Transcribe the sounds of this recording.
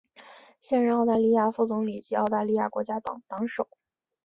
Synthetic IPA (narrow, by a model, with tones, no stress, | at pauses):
ɕjɛ˥˧nɻə˧˩nɑ˥˧ʊt̪a˥˧li˥˧ja˥˧fu˥˩t͡sʊ˧˥ŋli˨˩t͡ɕi˧˥ɑ˥˧ʊt̪a˥˧li˥˧ja̰˥˩kwɔ˧˥t͡ɕja˥t̪ɑ̰˨˩ŋt̪ɑ˧˥ŋʂo˨˩˦ʊ